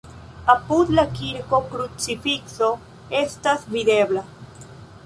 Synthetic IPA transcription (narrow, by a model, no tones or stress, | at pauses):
aput̪lakiɾkokɾut͡sifikso | est̪azβiðeβla